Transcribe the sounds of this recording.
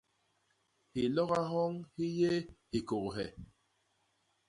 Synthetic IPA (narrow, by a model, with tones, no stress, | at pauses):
hi˨lɔ˦ɣa˦ɦɔ˦ŋhi˦je˦hi˨ko˨kɦɛ˨